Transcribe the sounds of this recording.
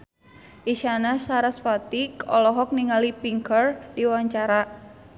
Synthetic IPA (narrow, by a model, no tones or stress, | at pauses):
ʔiʃanasaɾaspat̪ikɔlɔɦɔk̚niŋalipiŋkərdiwaɲt͡ʃaɾa